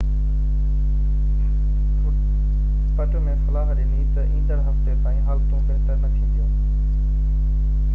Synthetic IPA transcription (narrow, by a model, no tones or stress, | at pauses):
pəʈmẽːsəlaːɦəɾiːliːt̪əʔĩːnd̪əɾɦəft̪ep̪aːĩːɦaːlt̪õːkəːt̪ənəkʰiõt̪ʰjõː